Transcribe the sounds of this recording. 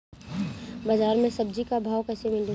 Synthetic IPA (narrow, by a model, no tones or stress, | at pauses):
baːzaːɾmẽsɐbd͡ʒikabʱaːwkɛːsemɪlɖə